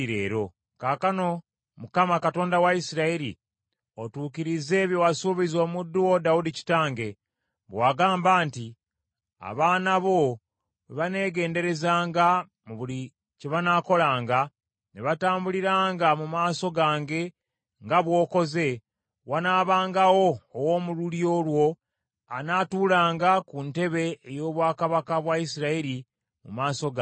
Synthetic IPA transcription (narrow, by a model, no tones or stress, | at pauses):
iɾḛːɾo̞ | kaːkano̞ | mukamakato̞ːndawaisiɾaeɾḭ | otuːkiɾize̞ːβjo̞wasuβizo̞ːmudːuwo̞daudici̥taːŋɡe̞ | βwaːɡaːmbaːnti | a̰βaːnaβo̞ | βane̞ːɡe̞ːnde̞ɾe̞zaːŋɡa | muβuli | ce̞βanaːko̞laːŋɡa | neβataːmbuliɾaːŋɡamumaːso̞ɡaːŋɡe̞ | ŋɡaβwo̞ːko̞ze̞ | wanaːβaːŋɡawo̞ːwoːmululjo̞ːlwo̞ | a̰naːtuːlaːŋɡakunte̞βe̞ːjo̞ːβwaːkaβakaβwaisiɾaiɾi | mṵmaːso̞ɡa